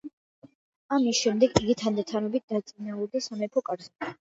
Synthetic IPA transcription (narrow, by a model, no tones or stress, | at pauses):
amisʃɛmd̪ɛɡiɡit̪ʰand̪at̪ʰanɔbit̪̚d̪̥at̪sʼinauɾd̪asamɛpʰɔkʼaɾzɛ